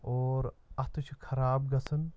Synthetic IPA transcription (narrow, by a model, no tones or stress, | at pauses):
oːɾɐt̪ut͡ʃʰikʰɐɾaːbɡɐsɨn